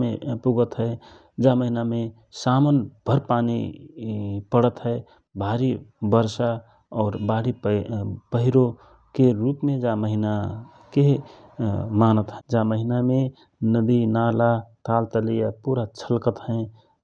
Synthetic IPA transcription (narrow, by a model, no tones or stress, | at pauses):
mepuɡət̪ɦɛe | d͡ʒaməɦiname | samənb̥ʱəɾpaːni | pəɽət̪ɦɛe | bʱaːɾibəɾsa | ɔːɾbaɽi | pəɦiɾo | keɾuːpmẽd͡ʒaməɦina | ke | maːnət̪ɦɛd͡ʒaməɦiname | nəb̪inaːlat̪aːlt̪əlijapuːɾat͡ʃʰəlkət̪hɛ̃